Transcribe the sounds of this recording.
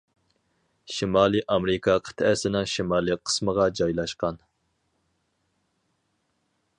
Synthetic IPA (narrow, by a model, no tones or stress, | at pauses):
ʃimɑːlˠiʔɑmɾɨkʰɑqʰə̥t̪ʰɛsɪnɪŋʃimɑːlˠiqʰə̥sməʁɑd͡ʒɑjlˠɑʃqɑn